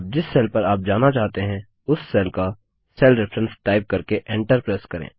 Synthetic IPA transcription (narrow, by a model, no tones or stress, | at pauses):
p̚d͡ʒɪsːɛːlpɐɾaːp̚d͡ʒaːnat͡ʃaːɦt̪eɦɛ̃ | ʊsːɛːlka | sɛːlɾɛfʰɾə̃nsʈaːɪp̚kɐɾkeʔẽːɳʈəɾpɾeːskɐɾḛ̃ː